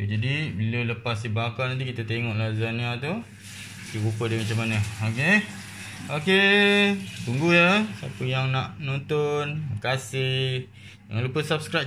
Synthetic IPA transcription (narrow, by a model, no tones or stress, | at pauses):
t̪ud͡ʒadibilələpas̬dibakanant̪ikit̪at̪eŋɔʔlazanat̪u | k̪iɣupədemat͡ʃamanəoke | oke | buŋɡujəsapəjaŋnaʔnont̪onkasɪh | daŋanlupəsap̚skɾaj